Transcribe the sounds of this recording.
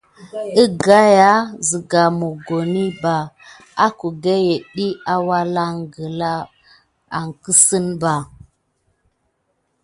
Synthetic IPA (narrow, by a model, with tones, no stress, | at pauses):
i˦ɡa˦ja˦zi˨ɡa˨mo˨ɡo˨ni˦ba˨ | a˦ku˨ɡe˦je˨ɗi˦a˦wa˦la˦ŋɡə˨la˦ | a˨ŋki˦si˦nba˨